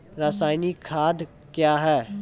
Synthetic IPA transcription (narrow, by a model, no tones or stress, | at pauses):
ɾaːsaːɪnikʰaːd̪ | kjaːɦɛː